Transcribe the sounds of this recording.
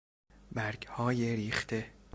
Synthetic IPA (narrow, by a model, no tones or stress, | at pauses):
bæɾɡhɒːjeɾiːχt̪ʰe̞